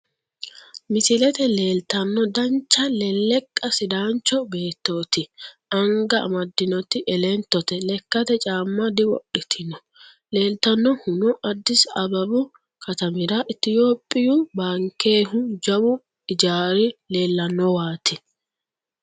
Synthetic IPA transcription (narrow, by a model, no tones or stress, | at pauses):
mɪsɪlɛt̪ɛle̞ːlt̪ɐnːɔd̪ɐnt͡ʃːɐlɛlːɛkʼːɐsɪd̪aːnt͡ʃːɔbe̞ːt̪ːo̞ːt̪ɪʔɐŋɡɐɐ̰mɐd̪ːɪnɔt̪ɪʔɛlɛnt̪ːɔt̪ɛlɛkːɐt̪ɛt͡ʃʼaːmːɐd̪ɪwɔ̰ɗɪt̪ʰɪnɔ | le̞ːlt̪ɐnːɔhʊnɔʔɐd̪ːɪsɐbɐbʊ | kʰɐt̪ɐmɪɾaʔɪt̪ːɪjoːpʼːɪjubaːŋkːe̞ːɦʊd͡ʒɐbʊ | ɪd͡ʒaːɾɪle̞ːlːɐnːɔwaːt̪ɪ